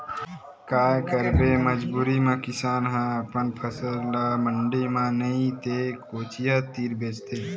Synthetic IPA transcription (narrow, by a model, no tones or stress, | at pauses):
kaːkəɾbeːməd͡ʒbuːɾiːmãːkɪsaːnɦãəpənpʰəsəllaːməɳɖiːmãːnəĩt̪eːkoːt͡ʃijaːt̪ːiːɾbʱeːt͡ʃt̪eː